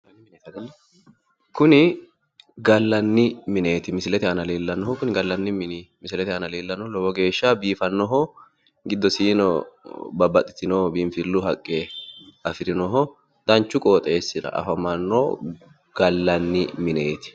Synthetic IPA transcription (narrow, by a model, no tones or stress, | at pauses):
kʊnɪ | ɡɐlːɐnːɪmɪne̞ːt̪ɪmɪsɪlɛt̪ɛɐnɐliːlːɐnːɔɦɔkʊnɪɡɐlːɐnːɪmɪnmɪsɪlɛt̪ɛɐnɐliːlːɐnɔlɔwɔɡe̞ːʃːabiːfɐnːɔɦɔ | ɡɪd̪ːɔsiːnɔbɐbːɐt̪ʼːɪ̥t̪ɪnoːbɪmfɪlːʊɦɐkʼːeɐfɪɾɪnɔɦɔ | d̪̥ɐnt͡ʃːʊkʼoːt̪ʼe̞ːsːɪdɐ̰ɐ̰fɐmɐnːɔː | ɡ̥ɐlːɐnːɪmɪneːt̪ɪ̥